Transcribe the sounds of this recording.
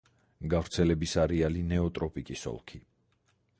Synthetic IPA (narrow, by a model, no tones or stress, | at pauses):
ɡavɾt̪sʰɛlɛbisaɾɛalinɛɔt̪ʼɾɔpʼikʼisɔ̰lˠkʰi